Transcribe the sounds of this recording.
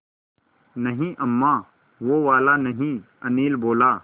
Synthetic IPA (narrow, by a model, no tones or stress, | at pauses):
nɐɦĩʔɐmːaː | ʋoʋaːlanɐɦĩ | ɐniːlboːlaː